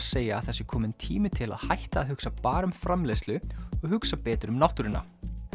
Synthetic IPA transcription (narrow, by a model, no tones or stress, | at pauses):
seːjaːðθɛsːɪkʰɔːmɪnt̪ʰiːmɪt̪ʰɪla̰ðhajht̪aːðhʏksapaːɾʏmfɾamleːjst̪lʏɔɣhʏksapɛːt̪ɾʏmnawht̪ʏɾɪnːa̰